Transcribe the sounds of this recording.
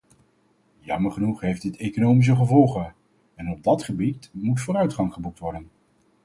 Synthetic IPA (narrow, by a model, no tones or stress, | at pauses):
jɑ̰məɹχənuχɦejfdɪtejkonowmis̬əχəvɔlˠχə | ɛnɔb̚dɑtχəbitmutfʊːɾœɥtχɑŋχəbuk̚tʋɔɹdən